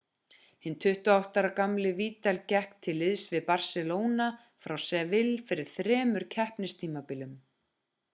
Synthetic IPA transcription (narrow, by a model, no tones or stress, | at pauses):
hɪnt̪ʰʏht̪ʏawht̪aɾakamlɪviːt̪ɛlcɛhkt̪ʰɪlːɪðsvɪðpar̥sɛloːwna | fɾawsɛvɪlfɪɾɪɾ̥θɾɛːmʏɾ̥cʰɛhpnɪst̪ʰiːmapɪlʏm